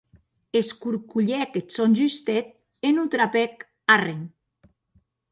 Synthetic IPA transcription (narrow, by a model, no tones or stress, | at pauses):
eskuɾkuʎɛket̪sonʲʒyst̪et̪̚ | enut̪ɾapɛk | areŋ